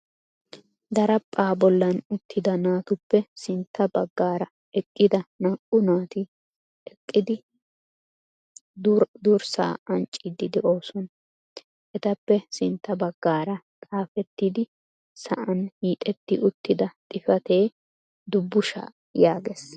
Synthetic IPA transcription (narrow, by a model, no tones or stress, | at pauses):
d̪ɐɾɐpʼːaːbɔlːɐnʊt̪ːɪd̪ɐnaːt̪ʊpːɛsɪnt̪ʰːɐbɐɡːaːɾɐ | ɛkʼːɪd̪ɐnɐʔʼʊnaːt̪ɪ | ɛkʼːɪd̪ɪ | d̪ɾd̪uɾsa̰ːɐnt͡ʃʼːɪd̪ɪd̪ɛʔo̞ːsɔn | ʔɛt̪ɐpːɛsɪnt̪ːɐbɐɡːaːɾɐ | t̪ʼaːfɛt̪ːɪd̪ɪ | sɐ̰ʔɐnhiːt̪ʼɛt̪ːɪʔʊt̪ːɪd̪ɐt̪ʼɪfɐt̪e̞ː | d̪ʊbːʊʃa̰ː | jaːɡes